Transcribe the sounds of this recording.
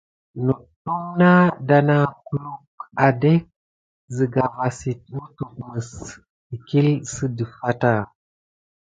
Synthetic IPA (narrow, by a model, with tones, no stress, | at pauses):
nu˨tːu˦ŋna˦da˨na˨ku˦lu˦ka˨de˦k̚ | zə˨ɡa˨va˨si˨t̚u˦tu˨k̚mə˨s | i˨ki˦lsə˦də˨fa˦ta˦˨